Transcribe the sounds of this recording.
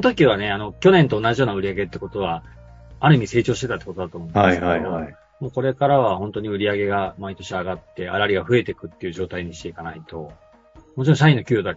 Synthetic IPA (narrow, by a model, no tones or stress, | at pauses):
sonot̪o̞kʲiβ̞ane̞ano̞kʲo̞nẽnt̪o̞ːnaʑijo̞ːnaɯ̟ɾʲiaɡe̞t̪ːeko̞t̪o̞β̞a | aɾɯ̟imʲise̞ːt͡ɕo̞ːɕit̪eat̪ːeko̞t̪od̪at̪oːmõːnashaeededo | moːko̞ɾe̞kaɾaβaho̞nt̪o̞ɲ̟iɯ̟ɾʲiaɡe̞ɡamait̪o̞ɕiaɡat̪ːe̞a̰ɾaɾʲiɡaɸɯ̟e̞t̪e̞kɯ̟t̪ːe̞iɯ̟ʑo̞ːt̪aiɲ̟iɕi̥t̪e̞ikanait̪o̞ | mo̞t͡ɕiɾõɕaĩnːo̞kʲɨːjod̪a